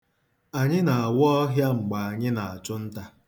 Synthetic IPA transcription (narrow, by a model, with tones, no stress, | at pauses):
a˨ɲɪ˦na˨a˨wɔ˦ɔ˦ɦja˦ŋ͡m̩˨ɡ͡ba˨a˨ɲɪ˦na˨a˨t͡ʃʊ˦n̩˦ta˦